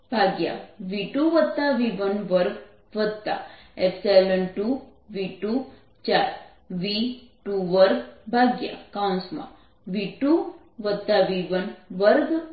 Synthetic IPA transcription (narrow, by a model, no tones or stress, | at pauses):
bʱaɡja̰ʋiʈuʋət̪ːaʋiʋənʋəɾɡ | ʋəd̪̚t̪a̰epselənʈu | ʋiʈu | t͡ʃaɾ | ʋiʈuʋəɾɡbʱaɡja̰kaũnsmã̰ | ʋiʈu | ʋəd̪̚t̪ːaʋiʋənʋəɾɡ